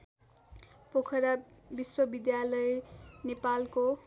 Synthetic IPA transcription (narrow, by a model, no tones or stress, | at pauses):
pokʰʌɾabiswʌbid̪jalʌenepalko